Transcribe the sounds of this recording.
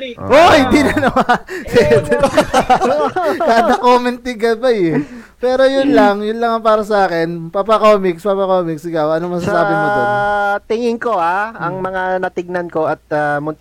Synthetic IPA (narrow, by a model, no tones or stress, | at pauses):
ʔohɪnd̪iːnɐnɐmasɛd̪ | k̪aːd̪ɐkomɛnt̪ɪɡɐpɐjɪ | pɛːɾo̞jʊnlɐŋjʊnlɐŋɐpaːɾɐs̬ɐʔaːkɪnpapɐkomɪkspapɐkomɪksʔɪkawɐnomɐsaːsaːbɪmoot̪ɪŋɪŋkohaɐŋmɐŋanɐt̪ɪɡ̚nɐnkoɐt̪̚amʊn